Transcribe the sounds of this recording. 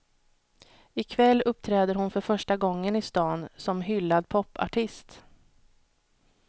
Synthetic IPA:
ɪkʰvɛlːɵp̚ːt̪ʰɾɛːd̪əɾhʊnfœɾfœʂʈaɡɔŋːənɪst̪ɑːnsɔmɦʏlːad̪pʰɔpːa̰ʈʰɪst̪

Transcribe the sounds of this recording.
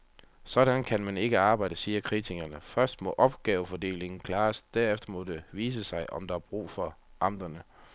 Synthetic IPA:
sɒ̽ɾænkʰænmæne̝ɡ̥əɑ̈ːb̥ɑ̈ɪ̰d̥əsiːɐkʰʁit͡sʰiɡ̥ɐnəfɶɐsd̥mɒ̽ʔɒ̽b̥ɡ̥ɛːʊəfɒde̝̰ːle̝ŋn̩kʰlɑ̈ːsd̥æɐefd̥ɐmɔ̽d̥e̝ʋiːs̬əsɑ̈ɪʔɒ̽md̥ɑ̈æɐb̥ʁṵːfɒ̽ʔɑ̈m̰d̥ɐnə

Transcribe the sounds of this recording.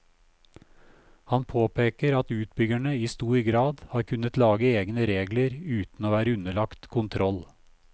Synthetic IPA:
hɑnpʰoːpʰeːkəɾɑt̪ʉːt̪bʏɡæɳəiːst̪uːɾɡɾɑːd̪hɑːɾkʰʉnət̪lɑːɡəeːɡnəɾeːɡləɾʉːt̪n̩oːʋæːɾəʉnəɭɑkt̪kʰʊnt̪ʰɾɔl

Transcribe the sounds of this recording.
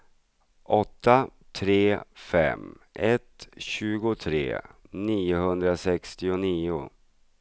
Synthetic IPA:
ʔɔt̪ʰːat̪ʰɾeːfɛ̰mʔɛt̪ɕʉ̟ːɡʊt̪ʰɾḛːniːʊɦɵnd̪ɾasɛkst̪ɪʊniːʊ̰

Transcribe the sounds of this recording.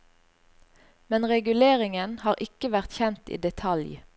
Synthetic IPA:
mɛnʁɛɡʉleːʁɪŋənhɑːʁʔɪkəʋæʁt̪çɛnt̪ḭːd̪ɛt̪ʰɑlj

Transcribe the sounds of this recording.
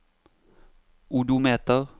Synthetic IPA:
ʔud̪ʊmeːt̪əʁ

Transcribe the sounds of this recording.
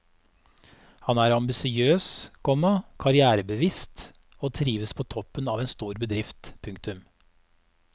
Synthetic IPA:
hɑnæːɾɑmbɪsɪøːskʰɔmɑkʰɑɾɪæːɾəbəʋiːst̪ | oːt̪ʰɾiːʋəspʰoːt̪ʰɔpːənɑːʋeːnst̪uːɾbəd̪ɾɪft̪pʰʉŋk̚t̪ʉm

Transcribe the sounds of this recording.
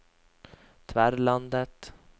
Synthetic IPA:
t̪ʰvæɾland̪ət̪

